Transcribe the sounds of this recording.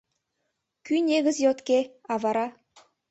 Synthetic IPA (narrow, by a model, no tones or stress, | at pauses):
kʲynʲeɡʲɘ̆zjot̪kʲeɑvɑɾɑ